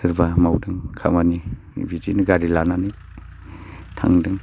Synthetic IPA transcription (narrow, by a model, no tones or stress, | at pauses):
ɯɾbamawdɯŋkʰa̰mani | bid͡ʒiniɡaɾilanani | tʰa̰ŋdɯŋ